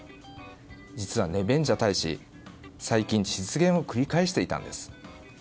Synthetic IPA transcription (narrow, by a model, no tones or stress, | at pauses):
d͡ʑit͡sɨβane̞bẽ̞ɲ̟d͡ʑat̪aiɕḭ | saikʲĩɲɕi̥t͡sɨɡẽ̞ɰ̃o̞kɯ̟ɾʲikaeɕi̥t̪e̞it̪ã̰nd̪e̞sɨ̥